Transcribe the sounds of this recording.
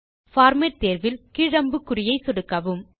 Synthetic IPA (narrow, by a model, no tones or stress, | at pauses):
faːɾmɐɾt̪eːɾʋɪlkɪɻɐmbɯkːʊɾɪjɐɪsɔɽɯkːɐʋɯm